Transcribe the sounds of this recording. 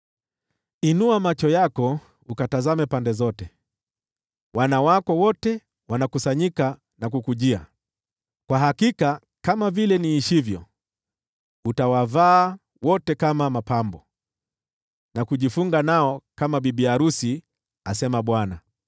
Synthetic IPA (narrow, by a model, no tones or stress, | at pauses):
inuamat͡ʃɔjakɔ | ukatazamɛpandɛzɔtɛ | wʔanawakɔwɔtɛ | wanakusaɲika | nakukuʄia | kwaɦakika | kamavilɛniːʃivjɔ̰ | utawavaː | wɔtɛkamamapambɔ | nakuʄifuŋɡanaɔkamaɓiɓiaɾusi | asɛmaɓwana